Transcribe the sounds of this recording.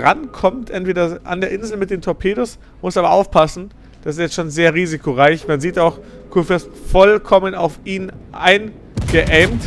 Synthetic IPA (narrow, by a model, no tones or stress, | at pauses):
ʁankʰɔmtʔɛntv̥eːdɐʔa̰ndeːɐʔɪnzl̩mɪt̚d̥eːmtʰoɐpʰeːɾʊs | mʊsaːbɐʔaʊfpʰasn̩ | d̥asɪsjɛt͡sstʃoːnzeːɐʁiːzikʰoʁaɪçmanziːtaʊx | kʰufɛstfɔlkʰɔməna̰ʊfiːnʔaɪn | ɡ̥əʔɛmt